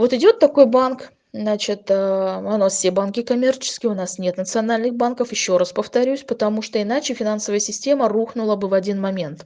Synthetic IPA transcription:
vo̞t̪ɪdʲo̞t̪ːɐko̞jbank | nat͡ɕɪt̪əɐnofsʲebankʲɪkɐmʲe̞rt͡ɕɪ̥skʲɪjʊnasnʲe̞t̪nət̪sɨɐnalʲnɨxbankəfjɪɕːo̞ɾaspəft̪ɐɾʲusʲpət̪ɐmuʂt̪oɪnat͡ɕɪfʲɪnansəvəjəsʲɪsʲtʲe̞məruxnʊlˠəbɨvɐdʲinmɐmʲe̞nt̪

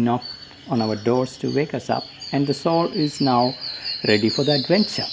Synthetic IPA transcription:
nɔk̚ | ɔ̃naʊəɖɔːɾsʈʰṵʋeːkʌsʌ̰pæ̃nɖd̪əsɔːlɪznaʊɾɛɖifɔɾd̪iəɖʋɛ̃nt͡ʃə̰ɾ

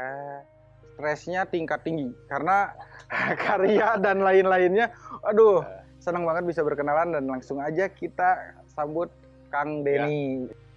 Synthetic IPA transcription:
st̪ɾɛsɲat̪iŋkat̪ːiŋɡikarəna | kʰaɾiadanlaɪnlaɪnɲaʔadʊh | sənəŋbaŋət̪̚bisabərkənalandanlaŋsʊŋad͡ʒakit̪asambʊt̪̚ | kaŋbeni

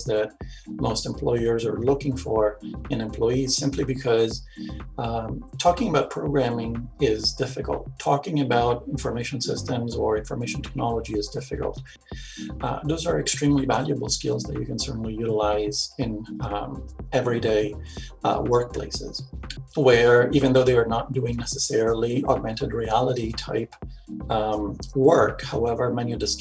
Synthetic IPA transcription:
zðɨt̚moʊstɨ̃m̩pʰl̥ɔɪə˞zə˞lʊkɪ̃ŋfə˞ɨ̃nɨ̃mpʰl̥ɔɪiz̥sɪ̃mpʰlibɨkʰʌz̥ | tʰɔkɪ̃ŋəbaʊt̚pʰɹ̥oʊɡɹæ̃mɪ̃ŋɪzdɪfɨkə̰lˠtʰɔkɪ̃ŋɨbaʊɾɪ̃nfə˞meɪʃɨ̃nsɪstə̃mzə˞ɪ̃ɱfə˞meɪʃn̩tʰɛ̥k̚nɑlˠəd͡ʒiɨzdɪfɨkl̩ˠt̚ | ðoʊzə˞ɨkstɹ̥ĩmlivælˠjɨbl̩ˠskɪ̰lˠzðə̰t͡ʃɨ̰kə̃n̩sɜ˞ʔn̩lijʉɾəlaɪzɪ̃n | ɛvɹideɪ | wɜ˞k̚pʰl̥ḛɪsɪ̰z̥wə˞ivɨ̃nðoʊðeɪə˞nət̚d̥uɪ̃ŋnɛsəsɛɹl̩ˠiɔɡ̚mɛ̃ntɨd̚ɹiælˠəɾitʰa̰ɪp | wɜ˞khaʊɛvə˞mɛ̃niʌvðɨs

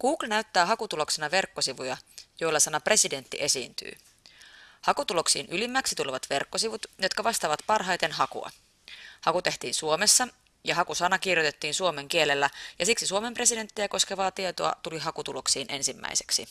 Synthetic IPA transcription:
kuːklnæyt̪ːæːɦɑkut̪ulo̞ksenɑʋe̞rkːo̞siʋujɑjo̞jlːɑsɑnɑpre̞side̞nt̪ːḭʔe̞siːnt̪y̰ː | hɑkut̪ulo̞ksḭːnʔylimːæksit̪uleʋɑt̪ʋe̞rkːo̞siʋut̪jo̞t̪kɑʋɑst̪ɑːʋɑt̪pɑrɦɑjt̪e̞nɦɑkṵɑ̰ | hɑkut̪e̞ht̪iːnsuome̞sːɑ | jɑɦɑkusɑnɑkirjot̪e̞t̪ːiːnsuo̞me̞ŋk̟ie̞lelːæjɑsiksisuome̞mpre̞side̞nt̪ːijæko̞skeʋɑːt̪iet̪o̞̰ɑ̰t̪uliɦɑkut̪ulo̞ksiːnʔe̞̰nsimːæ̰jse̞̥ksi

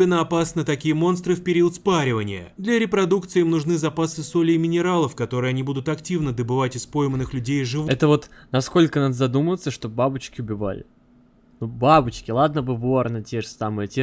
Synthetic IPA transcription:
bʲɪnːəɐpasnət̪ɐkʲijəmo̞nst̪ɾɨfpʲɪɾʲiʊt̪spaɾʲɪvənʲɪjə̰d̪lʲɐɾʲɪpɾɐd̪ukt̪sɨːimnʊʐnɨzɐpasɨso̞lʲɪːmʲɪnʲɪɾalˠəfkɐt̪o̞ɾɨjəɐnʲibud̪ʊt̪ɐktʲivnəd̪əbɨvatʲɪspo̞jmənːɨxlʲʉdʲejʐɨvɛt̪əvo̞t̪nɐsko̞lʲkənad̪əzɐd̪uməvət̪sːəʂt̪obabʊt͡ɕkʲɪʊbʲɪva̰lʲɪ̰ | nubabʊt͡ɕkʲɪlˠad̪̚nəbɨvornətʲeʐɨsamɨjətʲe

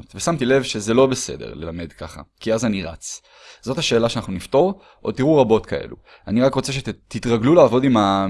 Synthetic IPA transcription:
t̪vesamt̪ile̞vʃe̞ze̞lo̞be̞se̞̰de̞̰ʁle̞lame̞dka̰χa̰kiazaniʁa̰t͡s | z̥o̞thaʃe̞ːlaʃeanaχnunift̪o̞ʁ | ʔot̪iʁuʁabo̞t̪kaʔe̞̰lṵ | aniʁakʁot͡se̞ʃ̬et̪itʁaɡlulaːvo̞dima

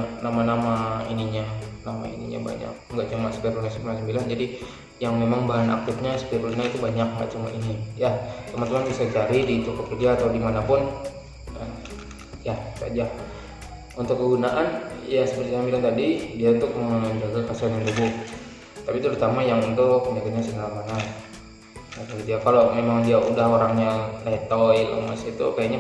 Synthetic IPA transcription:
namanamaḭniɲanama̰ḭnḭɲa̰ba̰ɲa̰k̚ŋɡaʔt͡ʃumasə̥piɾunasəmnasəmbiland͡ʒadi | jaŋmemaŋbaɦana̰k̚t̪ɪt̪̚ɲasə̥piɾuɲait̪ubaɲak̚ŋɡa̰ʔt͡ʃuma̰ʔinijat̪əmant̪əmanbisat͡ʃaɾidit̪upəkərd͡ʒaːt̪awdimanapʊn | ka̰n | jasa̰d͡ʒa | unt̪ʊkːəɡunaʔanjasəpərt̪isambilant̪adidiaunt̪ʊk̚məɲd͡ʒaɡakasianjaŋdubʊk̚ | t̪apit̪əɾut̪amajaŋunt̪ʊəɲd͡ʒaɡaɲasənalamana | at̪aɡit̪ujakalomemaŋdiaudahoɾaŋɲalɛt̪ɔilə̰masait̪ṵkajaʔɲa

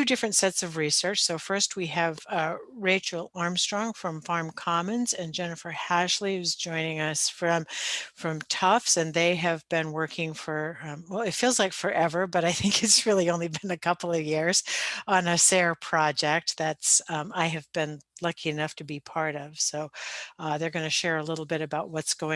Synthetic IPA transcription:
tʉdɪfɹɨ̃ntsɛtsʌvɹisɜ˞t͡ʃsoʊfɜ˞st̚wiɨvɹeɪt͡ʃl̩ˠɑɹmstɹ̥ɔ̃ŋfɹʌ̃ɱfɑɹmkʰɑmɨ̃nzɨ̃nd͡ʒɛnɨfə˞hæʃliʌzd͡ʒɔ̃ɪ̃nɪ̃ŋʌsfɹʌ̃mfɹʌ̃mtʰʌfsɨ̃nðeɪɨvbɨ̃nwɜ˞kʰɪ̃ŋfə˞wɛlˠɨtfilˠzlaɪkfə˞ʔɛvə˞bʌɾaɪθɪ̃ŋkɨtsɹɪlˠiõʊ̃nlibɨ̃nɨkʰʌpl̩ˠʌvjɪɹz̥ə̃nɨsɛɹpʰɹ̥ɑd͡ʒɛk̚t̪̚ðætsaɪɨvbɨ̃nlʌkʰiɨnʌftʰɨbipʰɑɹɾʌv̥soʊðə˞ɡʌnɨʃɛɹəlɪɾl̩ˠbɪɾɨbaʊʔ̚wʌtsɡ̥oʊɪ̃

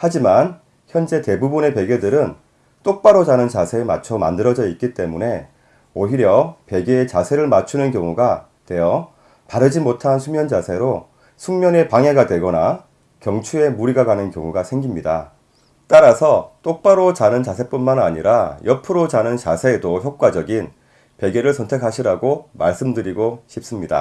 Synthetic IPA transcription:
had͡ʑiman | çjʌnd͡ʑe̞te̞bubune̞pe̞ɡjedɯɾɯn | t͈ok̚p͈aɾod͡ʑanɯnt͡ɕasʰe̞ːmat͡ɕʰʌma̰ndɯɾʌd͡ʑʌik͈it͈e̞mune̞ | oɦiɾjʌpe̞ɡeːt͡ɕasʰe̞ɾɯɭmat͡ɕʰunɯnkjʌŋuɡa | twe̞jʌ | paɾɯd͡ʑimotʰansʰumjʌnd͡ʑasʰe̞ɾo | sʰuŋmjʌne̞paŋe̞ɡadwe̞ɡʌna | kjʌŋt͡ɕʰue̞muɾiɡaɡanɯnkjʌŋuɡasʰe̞ŋɡimɲida̰ | t͈aɾasʰʌt͈ok̚p͈aɾot͡ɕanɯnt͡ɕasʰe̞p͈unmana̰ɲiɾajʌpʰɯɾot͡ɕanɯnt͡ɕasʰe̞ːdoçjok̚k͈wad͡ʑʌɡin | pe̞ɡe̞ɾɯɭsʰʌntʰe̞kʰaɕʰiɾaɡomaɭs͈ɯmdɯɾiɡoɕʰip̚s͈ɯmɲida̰

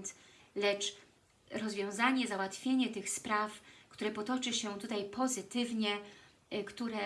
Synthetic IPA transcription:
t̪ | lɛt͡ʂ | ɾɔzvʲjɔ̃w̃zaɲɛzawat̪fʲjeɲɛt̪ɘxspɾafkt̪uɾɛpɔt̪ɔt͡ʂɘɕɛt̪ut̪ajpʰɔzɘt̪ɘvɲɛ | kt̪uɾɛ

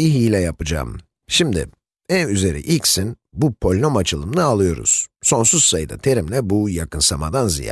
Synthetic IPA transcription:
iɦiːlʲɛjapɯd͡ʒa̰ːm | ʃimd̪ɪ̰ | ænyze̞ɾḭʔilʲcsin | bupʰo̞lʲno̞mat͡ʃʰɯlˠɯmnɯalˠɯjo̞ɾṵz̥so̞nsuz̥sajɯd̪a̰t̪ʰe̞ɾimlʲɛbujakɯnsamad̪anzḭja̰ː

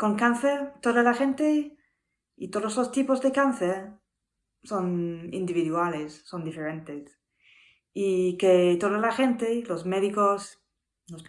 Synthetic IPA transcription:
koŋkanθeɾt̪oðalaxẽnt̪e | it̪oðoslost̪ipozðekanθeɾ | sonḭnd̪iβiðwalesːond̪ifeɾẽnt̪es | iket̪oðalaxent̪elosmeðikos | los

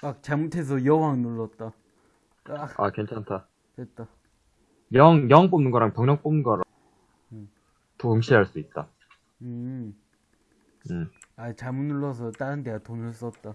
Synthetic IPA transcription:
ak̚t͡ɕamutʰe̞s̬ʰʌjʌwaŋnuɭːʌt̚t͈a | aa̰kent͡ɕʰantʰa | tet̚t͈a | jʌŋjʌŋp͈omnɯŋɡʌɾaŋpjʌŋɲʌŋp͈omnɯnɡʌɾa | toɦɯŋɕʰiaɭs͈uit̚t͈a | ɯ | ɯat͡ɕamunːuɭːʌs̬ʰʌt͈aɾɯndeatonɯɭs͈ʌt̚t͈a

